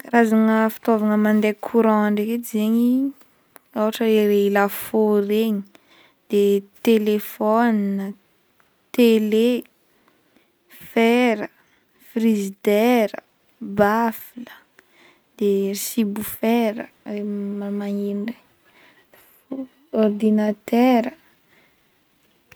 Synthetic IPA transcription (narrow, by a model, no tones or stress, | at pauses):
razaŋəfi̥t̪ovaŋəmand̪ekʰuɾãaɳɖ͡ʐeked͡ʒeɲi | awaʈ͡ʂəeɾeilaforeɲi̥ | d̪̥et̪elefɔnnə | t̪ele | fɛɾə | frizid̪ɛɾə | bafilə̥ | d̪̥eisibufɛɾə̰ | emamaɲinɖ͡ʐe | ɔrd̪inat̪ɛɾə